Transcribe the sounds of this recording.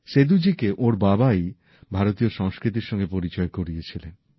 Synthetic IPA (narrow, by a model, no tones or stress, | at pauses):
ʃed̪ud͡ʑikeʔoɾbabaj | bʱaɾot̪ioʃɔŋskɾit̪̬iɾʃɔŋɡepoɾit͡ɕɔekoɾijet͡ɕʰilen